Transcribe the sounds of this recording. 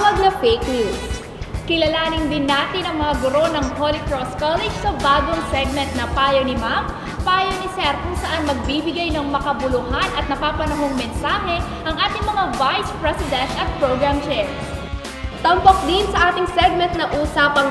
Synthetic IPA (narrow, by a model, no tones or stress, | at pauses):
mɐɡlɐfeknus | kɪlɐlaːnɪnd̪ɪnːaːt̪ɪnɐŋmɐŋaɡʊɾo̞nɐŋpolɪk̪ɹoskalɪd͡ʒsɐbaːɡoŋsɛɡ̚mɛnt̪̚nɐpaːjonɪmam | paːjonɪsɛɾkʊŋsɐʔanmɐɡ̚bibɪɡajnɐŋmɐkɐbʊlʊhanɐt̪̚nɐpaːpɐnɐɦoŋmɛnsaːɦɛ | ʔɐŋʔaːt̪ɪŋmɐŋavajspɹɛsɪd̪ɛnt̪ɐt̪̚pɹoɡɹamt͡ʃɛf | t̪ɐmpok̚d̪ɪnsɐʔaːt̪ɪŋsɛɡ̚mɛnt̪̚nɐʔuːsaːpɐŋ